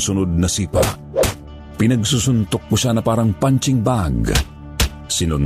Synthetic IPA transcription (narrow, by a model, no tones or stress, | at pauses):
sʊnod̪̚nɐsiːpa̰ | pɪnɐɡsusʊnt̪ok̚ːʊʃanɐpaːɾɐŋpant͡ʃɪŋbaɡ | sɪnʊn